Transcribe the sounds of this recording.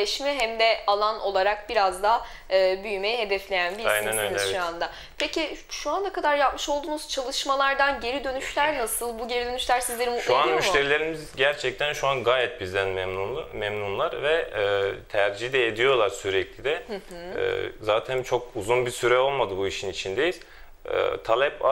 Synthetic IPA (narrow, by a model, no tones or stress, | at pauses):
ɛʃmɛɦæmd̪ɛalˠanʔo̞lˠaɾak̚biɾazd̪a | ɯːbyjyme̞jiɦe̞d̪ɛflʲe̞jænbiajnɛnaj̪ʃuand̪a | pʰeciʃuand̪akad̪aɾjapmɯʃo̞lˠd̪uːnuz̥t͡ʃʰalˠɯʃmalˠaɾd̪anɟe̞ɾid̪ø̞nyʃlʲæɾnasɯlˠbuɟeɾid̪ø̞nyʃlʲæɾsizlʲe̞ɾimut̪lˠeuannmyʃt̪ʰe̞ɾilʲe̞ɾimizɟæɾt͡ʃʰɛc̚t̪ʰænʃuanɡaːjɛt̪̚bizd̪ænmɛmnunˠmɛmnunlˠaɾvɛt̪ʰæɾd͡ʒid̪ɛːd̪ijo̞lˠaɾsyɾɛclʲid̪ɛɛ̰ːzaːt̪ʰænt͡ʃʰo̞kuzunbiɾsyɾɛo̞lˠmad̪ɯbuiʃinit͡ʃʰind̪e̞jil̥ | ɛ̰t̪ʰalʲɛp